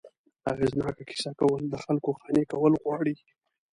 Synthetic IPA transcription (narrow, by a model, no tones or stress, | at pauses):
a̰ɣeznɑkakɪ̥sakawəld̪əxalkoxɑnekawəlɣwɑɽi